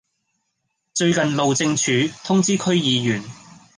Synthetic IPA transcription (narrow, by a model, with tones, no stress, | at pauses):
t͡ʃɵ˧ɥkɐ˨nlo˨wt͡sɪ˧ŋt͡ʃʰyː˨˧˥t̪ʰʊ˥ŋt͡siː˥kʰɵ˥ɥjiː˨˧jyː˨˩n